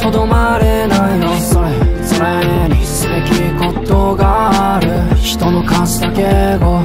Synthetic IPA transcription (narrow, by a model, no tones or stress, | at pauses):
t̪o̞d̪o̞maɾe̞nainoso̞ɾesoɾeɲ̟isɨbekʲiko̞t̪oɡaaɾɯ̟çi̥t̪o̞no̞kãsd̪akeɡo